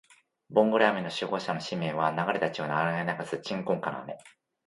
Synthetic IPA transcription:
bõ̞ŋɡo̞ɾeame̞no̞ɕɨɡo̞ːɕano̞ɕimẽ̞ɰ̃βanaɡaɾe̞t̪at͡ɕionaaɾenainaɡazɨt͡ɕĩŋkõŋkano̰a̰me̞̰

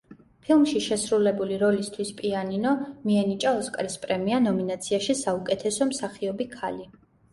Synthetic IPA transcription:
pʰilˠmʃiʃɛsɾulɛbuliɾɔlist̪ʰwispʼianinɔmiɛnit͡ʃʼaɔskʼɾispʼɾɛmianɔminat̪sʰiaʃisaukʼɛt̪ʰɛsɔmsaχiɔbikʰali

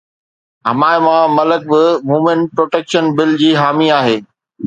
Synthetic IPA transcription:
ɦɐmaːɪmãmɐlək̚bɪmuːmẽnʈ̚pɾoːʈeːkʃənbɪld͡ʑiːɦaːmiaːɦeː

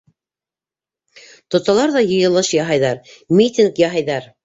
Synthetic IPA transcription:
t̪ŏt̪ɑlˠɑɾðɑjɤ̆jɤ̆lˠɤʃjɑɦɑjðɑɾmʲit̪ʲinkjɑɦɑjðɑɾ

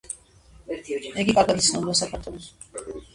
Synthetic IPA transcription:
ɛɡikʼaɾɡad̪it̪sʰnɔbld̪asakʰaɾt̪ʰɔlˠɔs

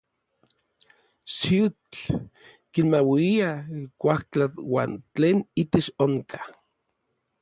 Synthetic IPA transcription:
sit͡ɬ | kinmawiiakʷaht͡ɬat̪wa̰ːnt͡ɬeːnit̪et͡ʃoŋkʰḁ

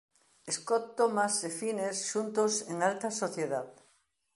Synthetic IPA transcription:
eskot̪ːomasefinesʃunt̪oseŋalt̪asoθjeðað

